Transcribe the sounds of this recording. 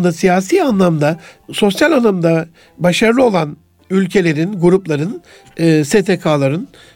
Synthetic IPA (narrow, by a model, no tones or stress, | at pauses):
d̪asijaːsiːanlˠamd̪aso̞sjalʲanˠamd̪a | baʃaɾlˠɯo̞lˠan | ylʲcʰe̞lʲe̞ɾinɡuɾuplˠaɾɯn | ɯːset̪ʰekʰaːlˠaɾɯn